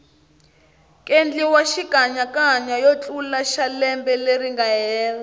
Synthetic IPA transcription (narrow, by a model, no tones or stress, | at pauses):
kʼend͡ɮiwaʃikaɲakʼaɲajot͡ɬʼulaʃalɛmbɛleriŋɡaɦɛːla